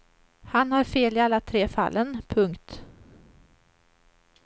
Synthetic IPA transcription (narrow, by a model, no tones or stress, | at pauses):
hanhaɾfeːlɪalːat̪ʰɾeːfa̰lːənpʰɵŋkt̪